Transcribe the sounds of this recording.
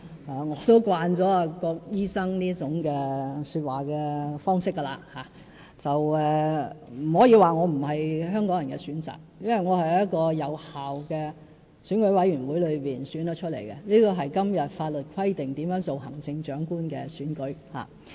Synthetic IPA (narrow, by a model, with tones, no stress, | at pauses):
laː˨ŋɔː˨˧t̪o˥wkwaː˧nt͡sɔː˨˥a˨˧kɔː˧k̚jiː˥sɐ˥ŋniː˥t͡sʊ˨˧˥ŋkɛː˧syː˧t̚waː˨˩kɛː˧fɔː˥ŋsɪ˥kːɐ˧la̰ː˧haː˨˦ | t͡sɐ˨wɛː˨˧m̩˨˩hoː˨˥jiː˧waː˨ŋɔː˨˧m̩˨˩ɦɐ˨jɦœː˥ŋkɔː˨˥ŋjɐ˨˩nkɛ̰˧syː˨˥nt͡sa̰ː˨k̚jɐ˥wɐ˨˩jŋɔː˨˧hɐ˨jjɐ˥t̚kɔː˧jɐ˨˧whaː˨wkɛː˧ | syː˨˥nkɵ˨˥ɥwɐ˨˥jɥyː˨˩nwuː˨˥jlɵ˨˧ɥpiː˨nsyː˨˥nd̪ɔ˨˥t͡ʃʰɵ˥t̚le˨˩jkɛ˧niː˥kɔː˧ɦɐ˨jkɐ˥mjɐ˨t̚faː˧t̚lɵ˨t̚kʰɐ˥jt̪ɪ˨ŋt̪iː˨˥mjœː˨˥ŋt͡so˨wɦɐ˨˩ŋt͡sɪ˧ŋt͡ʃœː˨˥ŋkuː˥nkɛː˧syː˨˥nkɵ˨˥ɥha̰ː˨˩